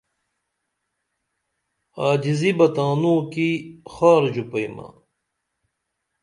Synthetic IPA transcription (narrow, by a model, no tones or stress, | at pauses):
aːd͡ʑizibɐt̪ãːnũːkixaːɾd͡ʑupɐimɐ̰